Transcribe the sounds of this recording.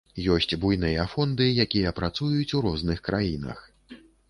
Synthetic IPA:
jɔsʲt͡sʲbujnɨjɐfɔnd̪ɨjakʲijɐpɾat̪sujut͡sʲuɾɔznɨxkɾajinɐ̰x

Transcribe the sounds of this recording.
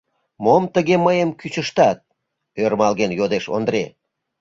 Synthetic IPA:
momt̪əɣeməjəmkyt͡ɕəʃt̪ɑt̪̚ | ørmɑlɣenjod̪eʃo̰nd̪ɾe

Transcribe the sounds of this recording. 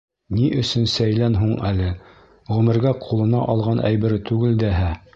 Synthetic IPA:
niʔɵ̆sɵnsæjlænɦuɴælɘ | ʁɵ̆mɘ̆ɾɡæqʰulˠɤ̆nɑʔɑlˠʁɑnʔæ̰jbɘ̆ɾɘt̪ʉɡɘld̪æɦæ

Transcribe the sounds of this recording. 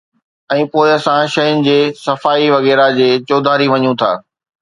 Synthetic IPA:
ɛ̃ːpoːɪɐsãʃɐjʊnɪ̆d͡ʑeːsɐfaːiʋɐɣɛːɾad͡ʑeːt͡ɕoːd̪ʱaːɾiʋɐɲũt̪ʰa̰ː

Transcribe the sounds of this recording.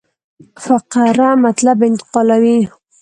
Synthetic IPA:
faqaɾamat̪labɪnt̪ɪ̥qɑlawi

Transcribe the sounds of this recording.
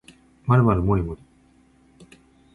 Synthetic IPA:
maɾɯmaɾɯmoɾʲimoɾʲi

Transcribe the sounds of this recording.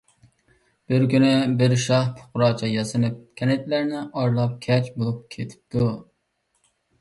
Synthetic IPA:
b̥ɪɾkʲynɪbɪɾʃɑhpʰʊ̥qʊɾɑːt͡ʃʰɑjɑsɨnɨp̚kʲʰɛnet̪læɾnɪʔɑɾlˠɑp̚kʲʰɛt͡ʃbolˠup̚kʲʰet̪ʰɪ̥p̚t̪ʰu

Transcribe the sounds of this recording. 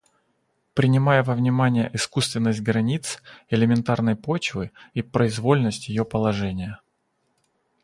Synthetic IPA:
pɾʲɪnʲɪmajəvəvnʲɪmanʲɪjə̰ʔɪskust̪vʲɪnːəsʲt̚ʲɡɾɐnʲit̪sɪlʲɪmʲɪnt̪arnəjpot͡ɕvɨipɾəɪzvo̞lʲnəsʲtʲjɪjo̞pəlˠɐʐɛnʲɪjə

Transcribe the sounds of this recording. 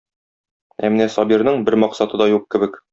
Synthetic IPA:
æ̰mɘ̆næsɒbiɾnɤɴbɘɾmɒqsɑt̪ɤd̪ɑjuq̚kɘ̆bɘk

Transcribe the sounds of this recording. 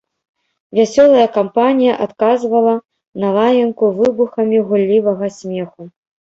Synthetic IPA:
vʲasʲɔlˠɐjɐkampanʲijɐʔat̪kazvɐlˠɐ | nɐlˠajɐnkuvɨbuxɐmʲiɣulʲːivɐɣɐsʲmʲɛxu

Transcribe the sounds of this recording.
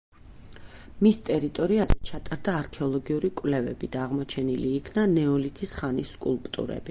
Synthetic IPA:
mist̪ʼɛɾit̪ʼɔɾiazɛt͡ʃʰat̪ʼaɾd̪aːɾkʰɛɔlˠɔɡiuɾikʼvlɛvɛ̰bid̪aːʁmɔt͡ʃʰɛniliːkʰnanɛɔlit̪ʰisχanisːkʼulˠpʼt̪ʼṵɾɛ̰b̥i

